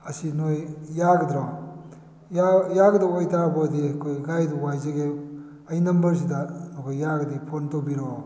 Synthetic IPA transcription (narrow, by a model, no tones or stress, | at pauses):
ɐsinojjaɡdɾɔ | jajaɡdawajtaɾbɔdikʰojɡajduwajzeɡe | ɐjnɐmbɐɾs̬idanɔkʰojːaɡɐdipʰontowbiɾɔ